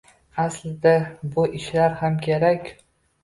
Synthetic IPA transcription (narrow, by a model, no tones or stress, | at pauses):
aslɪd̪abʊʔɪʃlaɾhamkʲʰeɾakʲ